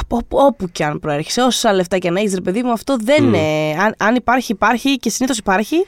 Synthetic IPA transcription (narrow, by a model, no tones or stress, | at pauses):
opo̞puceɐnpɾoe̞ɾçe̥seo̞ssɐle̞ft̪ɐceɐnɐeçis̬ɾepe̞ðimuɐft̪o̞ðe̞neɐnɐnipɐɾçiːpɐɾçice̞siniθo̞si̥pɐɾçi